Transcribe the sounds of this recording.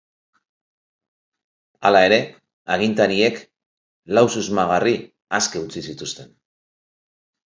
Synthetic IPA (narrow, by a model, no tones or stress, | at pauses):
alae̞ɾe̞ | aɣint̪aɾie̞k | lawsuzmaɣ̞ari | askeut͡sisit̪ust̪e̞n